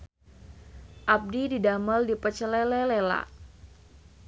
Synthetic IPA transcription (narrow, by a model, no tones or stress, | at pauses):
ʔap̚dididaməldipət͡ʃəlɛlɛlela̰